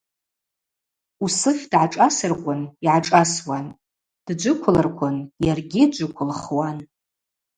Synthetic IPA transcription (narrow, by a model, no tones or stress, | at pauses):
usɨχʲdʕaʈ͡ʂʼasɨrkʷʼʊniʕaʈ͡ʂʼaswan | d̥d͡ʒʷʊkʷʰʊlarkʷʰʊnjarɡʲid͡ʒʷʊkʷʰʊlχwan